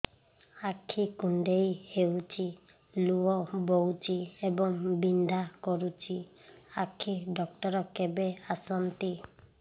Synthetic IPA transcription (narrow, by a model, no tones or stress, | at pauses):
akʰːikuɳɖejhewt͡ʃʰi | luɔbowt͡ʃiebɔŋbind̪ʱakɔɾut͡ʃʰi | akʰiɖɔkʈɔɾɔkebeasɔnt̪i